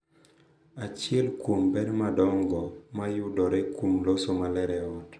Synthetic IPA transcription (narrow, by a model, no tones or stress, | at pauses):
at͡ʃɪɛlkombɛnmadɔŋɡɔmajʊdɔɾɛkumlosomalɛɾɛɔt